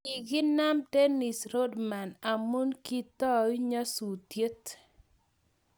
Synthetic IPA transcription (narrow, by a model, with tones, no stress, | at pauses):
i˨ɡɪ˦na˦mte˦nɪ˨sɾo˦dma˨na˨mu˦nki˦t̪ɔ˦wi˦ɲa˦su˨tje˦t